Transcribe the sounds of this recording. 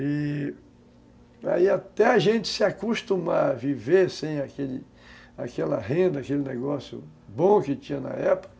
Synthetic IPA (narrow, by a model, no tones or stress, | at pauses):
ɪ | a̰iat̪ɛaʒẽnt͡ʃ̪ɪ̥sɪakuʃt̪ũmavivesẽj̃akelɪ | akɛlɐɦẽnd̪ɐakelɪneɡɔsjʊ̰ | bõkɪt͡ʃĩɲɐnɐ̰ɛpo̥kɐ